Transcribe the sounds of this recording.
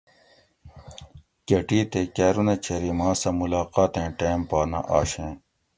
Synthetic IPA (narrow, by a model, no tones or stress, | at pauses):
kɐʈiːt̪ekeːɾunet͡ɕʰɐɾimãːsɐmulaːqaːt̪ẽːʈeːmpaːnɐ̰ʔa̰ːɕẽː